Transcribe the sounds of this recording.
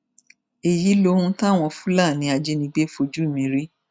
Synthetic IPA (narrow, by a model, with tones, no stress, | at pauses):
e˨ji˨˦lo˦hũ˧˦ta˦˨w̃ɔ̃˧fũ˦la˦˨nĩ˨˦a˧d͡ʒe˧˦nĩ˧ɡ͡be˦fo˧d͡ʒu˦˨mĩ˨˦ɾi˦